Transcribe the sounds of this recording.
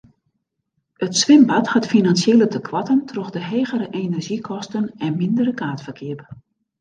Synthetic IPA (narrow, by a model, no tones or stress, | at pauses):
ətsʋɪmbathatfinansjeːlətəkʰʋatəntʰroxdəɦeːɣəɾəʔenɛrʒikʰɔstənɛnmɪndəɾəkʰaːtfərkʰɪəp